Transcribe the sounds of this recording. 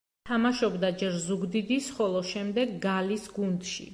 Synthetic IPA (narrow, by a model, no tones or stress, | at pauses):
t̪ʰamaʃɔbd̪ad͡ʒɛɾzuɡd̪id̪isχɔlˠɔʃɛmd̪ɛɡɡalisɡund̪ʃḭ